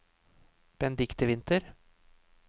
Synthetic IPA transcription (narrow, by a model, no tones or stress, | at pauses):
b̥ɛnd̪ɪkt̪əʋɪnt̪əɾ